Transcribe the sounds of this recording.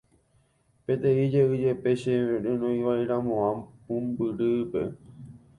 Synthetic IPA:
pẽt̪ẽid͡ʒeɨd͡ʒe̞pe̞ʃeẽɾɨ̃nõĩʋajɾãmõãmũmbɨɾɨpe̞̰

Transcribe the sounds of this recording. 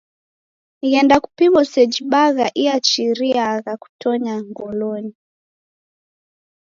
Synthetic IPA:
ɣɛndaku̥pimɔsɛd͡ʒiɓaɣaʔiat͡ʃiɾiaɣaku̥tɔɲaŋɡɔlɔni

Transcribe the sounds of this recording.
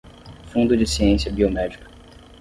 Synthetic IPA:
fũnd̪ʊd͡ʒɪsiẽsijɐbiomɛd͡ʒikɐ̥

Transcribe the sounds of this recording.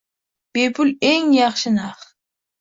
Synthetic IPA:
b̥epʰʊleŋjɑχʃɪnɑχ

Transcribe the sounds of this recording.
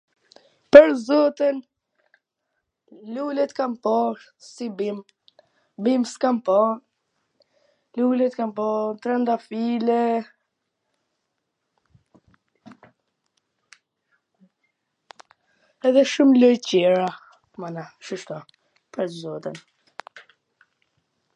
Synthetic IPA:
pəɾzɔt̪ən | lulɛt̪kampɔɾ | sibim | bimskampɔn | lulɛt̪kampɔnt̪ɾɛnt̪afilɛ | ɛðɛʃumlɔjcɛɹa | manaʃəʃt̪ɔ | pəɾzɔt̪ən

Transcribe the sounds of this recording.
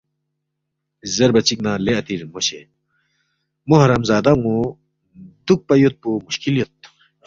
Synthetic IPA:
zɐɾbɐt͡ɕiknãːleɐt̪iɾnmoɕe | muɦɐɾɐmzaːd̪aŋũ | d̪uk̚pɐjot̪̚pumuɕkiljot̪̚

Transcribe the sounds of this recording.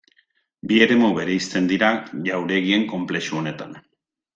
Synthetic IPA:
bie̞ɾe̞muβe̞ɾe̞ist̪e̞nd̪iɾaʝawɾe̞ɣie̞ŋko̞mple̞ʃuo̞ne̞t̪an

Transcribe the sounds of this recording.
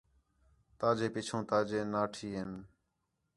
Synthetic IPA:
t̪aːd͡ʒeːpɪt͡ʃʰõːt̪aːd͡ʒeːnaːʈʰiːɦɪn

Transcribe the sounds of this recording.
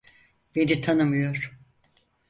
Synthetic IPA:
b̥e̞nit̪ʰanɯmɯjoɾ̥

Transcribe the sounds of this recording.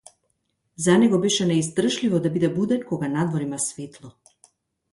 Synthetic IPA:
zanɛɡɔbɛʃɛnɛizd̪r̩ʒlivɔd̪abid̪ɛbud̪ɛnkɔɡanad̪vɔɾimasvɛt̪lˠɔ

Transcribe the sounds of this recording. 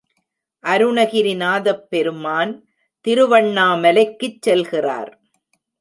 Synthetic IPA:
ʔɐɾɯɳɐɣɪɾɪnaːðɐpːɛɾɯmaːn | t̪ɪɾɯʋɐɳːaːmɛlɐɪkːɯt͡ʃsɛlɣɪra̰ːɾ

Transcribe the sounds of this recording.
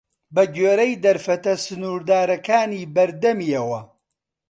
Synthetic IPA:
bɐɡeːɾɐjd̪ɐɾfɐt̪ɐsɨnuːɾd̪aːɾɐkaːniːbɐɾd̪ɐmiɐwɐ

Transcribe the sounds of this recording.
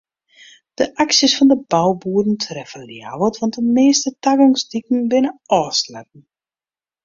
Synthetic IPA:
d̥əʔaksjəsfɔndəbawbuədn̩tʰrɛfəlja̰wətʋɑntdəmeːstətaɡɔŋsdik̚n̩bɪnəɔːslɛt̚n̩

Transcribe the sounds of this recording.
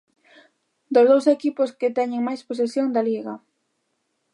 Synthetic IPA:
d̪ozðowsekipʊskɪt̪ɛɲɪŋmajspos̬esjoŋd̪ɐliɣɐ̰

